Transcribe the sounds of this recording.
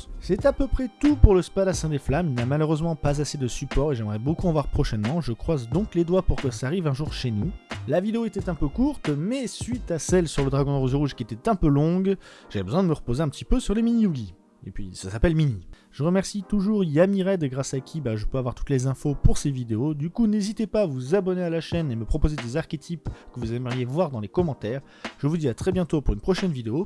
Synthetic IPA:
sɛt̪apøpχɛt̪upuʁləspalasɛ̃d̪eflamilnamaløʁøzmɑ̃pazased̪əsypɔʁeʒɛmʁɛbokuɑ̃vwaʁpχɔʃɛnmɑ̃ʒəkχwazd̪ɔ̃kled̪wapuʁkəsaːʁivɛ̃ʒuʁʃenulavid̪eoet̪ɛt̪ɛ̃pøkuʁt̪mɛsɥit̪asɛlsyʁləd̪ʁaɡɔ̃d̪əʁozeʁuʒkʲiet̪ɛt̪ɛ̃pølɔ̃ɡʒ̥avɛbəzwɛ̃d̪əməʁəpozeɛ̃pət̪ipøsyʁleminiuɡʲi | ḛpɥḭsasapɛlmini | ʒ̥əʁəmɛʁsit̪uʒuʁjamiʁɛd̪ɡʁasakʲʰibaʒəpøavwaʁt̪u̥t̪lezɛ̃fopuʁsevid̪eod̪ykunezit̪epaːvuzabɔnealaʃɛneməpχɔpozed̪ezaʁkʲet̪ʰipkəvuzɛməʁjevwaʁd̪ɑ̃lekɔmɑ̃t̪ɛːʁ | ʒ̥əvud̪iat̪χɛbjɛ̃t̪opuʁynpχɔʃɛnvid̪eo

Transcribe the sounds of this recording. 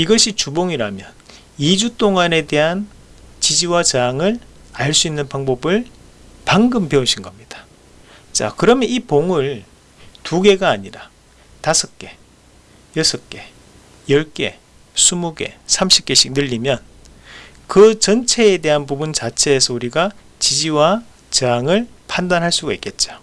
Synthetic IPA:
iɡʌɕʰit͡ɕuboŋiɾamjʌn | id͡ʑut͈oŋane̞de̞ɦan | t͡ɕid͡ʑiwat͡ɕeaŋɯɾɭ | aɭs͈uinːɯnpaŋbʌbɯɭ | paŋɡɯmpeuɕʰinɡʌmɲid̥ḁ | t͡ɕa̰kɯɾʌmjʌnipoŋɯɭ | tuɡe̞ɡaːɲiɾa | tasʰʌk͈e̞ | jʌsʰʌk͈e̞ | jʌɭk͈e̞̰ | sʰumuɡe̞̰sʰamɕʰi̥k͈e̞ɕʰik̚nɯʎːimjʌn | kɯt͡ɕʌnt͡ɕʰe̞ːde̞ɦanpubunt͡ɕat͡ɕʰe̞ːsʰʌuɾiɡa | t͡ɕid͡ʑiwa | t͡ɕeaŋɯɭpʰandanɦaɭs͈uɡaik͈et̚t͡ɕ͈o̥

